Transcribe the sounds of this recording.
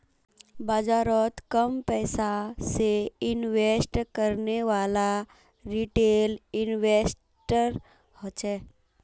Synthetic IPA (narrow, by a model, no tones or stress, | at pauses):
bad͡ʒaːɾɔt̪kəmpɛːsaseɪnʋeːsʈkəɾneʋaːla | ɾiʈeːlɪnʋeːs | ʈəɾ | hot͡ʃɛː